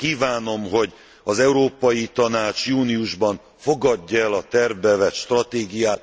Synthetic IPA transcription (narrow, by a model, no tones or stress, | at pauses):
kiːvaːno̞mɦo̞ɟ | ɒzɛuɾoːpɒjit̪ɒnaːt͡ʃjuːniuʒbɒɱ | fo̞ɡɒɟːɔɛlɒt̪ɛrvbɛvɛt̪ʃt̪rɒt̪eːɡijaːt̪